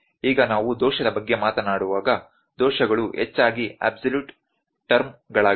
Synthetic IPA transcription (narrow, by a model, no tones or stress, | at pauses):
iːɡɐnaːʋud̪ɔːʃɐd̪ɐbɐɡːe̞maːt̪ɐnaːɽuʋaːɡɐ | d̪ɔːʃɐɡɐɭuɦɛ̰t͡ʃːaːɡia̰ːbsɐljuːʈ | ʈɐɾmɡɐɭaːɡ